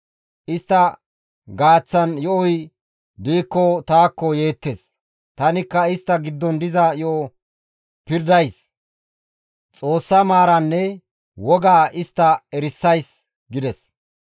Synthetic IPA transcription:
ʔɪst̪ːɐ | ɡaːt͡sːɐnjɔʔɔj | d̪iːkːɔt̪aːkːɔje̞ːt̪ːes | t̪ɐnɪkːɐɪst̪ːɐɡɪd̪ːɔnd̪ɪzɐjɔɔ | pɪɾd̪ɐjs | t͡sʼo̞ːsːɐmaːɾɐnːɛ | wɔɡaːɪst̪ːɐɛɾɪsːɐjs | ɡɪd̪ɛs

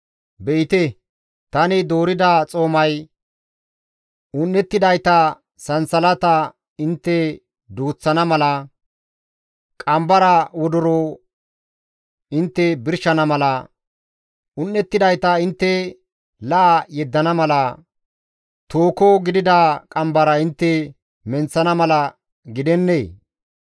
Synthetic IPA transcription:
bɛʔɪt̪ɛ | t̪ɐnɪd̪oːɾɪd̪ɐt͡sʼo̞ːmɐj | ʊnːɛt̪ːɪd̪ɐjt̪ɐ | sɐnsɐlɐt̪ɐ | ɪnt̪ːɛ | d̪uːt͡sːɐnɐmɐlɐ | kʼɐmbɐɾɐwɔd̪ɔɾo | ɪnt̪ːɛbɪɾʃɐnɐmɐlɐ | ʔʊnːɛt̪ːɪd̪ɐjt̪ɐɪnt̪ːɛ | lɐʔajɛd̪ːɐnɐmɐlɐ | t̪oːkoɡɪd̪ɪd̪akʼɐmbɐɾɐɪnt̪ːɛ | mɛnt͡sːɐnɐmɐlɐ | ɡɪd̪ɛnːeː

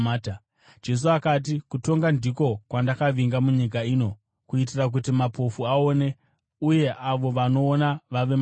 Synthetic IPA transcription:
t | d͡ʒe̞s̬uakat̬ikuto̞ŋɡandiko̞kwandakaʋiŋɡamuɲik̬aiːno̞ | kuitirak̬utimapʰo̞fuao̞ːne̞ | uje̞ʔaʋo̞ʋano̞ːnaʋaʋe̞m

